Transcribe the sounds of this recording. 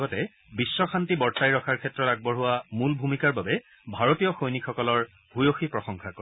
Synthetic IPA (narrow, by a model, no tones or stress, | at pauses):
ɡɔtɛ | bisːɔxʰantibɔɹtajɹɔkʰaɹkʰɛtɹɔtaɡ̚bɔɹɦʊwamulbʱumikaɹbabɛ | bʱaɹotijɔxojnikʰːɔkɔlɔɹ | bʱujoxipɹɔxɔŋkʰako